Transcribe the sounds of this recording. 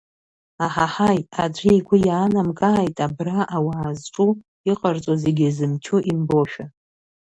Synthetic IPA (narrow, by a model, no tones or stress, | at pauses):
aħaħajad͡ʒʷiiɡʷʊjaːnamkʼaːjtʼabraʔawaːzʈ͡ʂʼu | iqʼart͡sʷʼoze̞ɡʲizɨmt͡ʃʰuʔimbo̞ʃᶣa